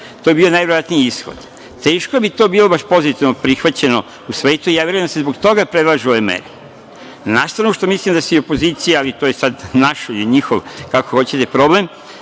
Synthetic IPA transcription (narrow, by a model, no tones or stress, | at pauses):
t̪ojebiːonajʋeɾoat̪niiisxo̰d̪ | t̪e̞ːʃkoebit̪o̞biːlˠo̞baʃpo̞zit̪iʋnopɾixʋat͡ɕe̞no̞ | usʋe̞ːt̪uijaːʋjeɾouemd̪asezbo̞ɡt̪o̞ɡapɾed̪lˠaʒuoʋemḛɾe | naʃst̪ɾanuʃt̪omislimd̪asuio̞poziːt̪sijaalit̪oːjesad̪naʃiliɲixoʋkakoxo̞t͡ɕet̪e̞pɾo̞blem